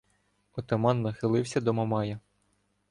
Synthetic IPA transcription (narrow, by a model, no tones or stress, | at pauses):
ɔt̪ɐmɑnːɐxɪlˠɪwsʲɐd̪ɔmɐmɑjɐ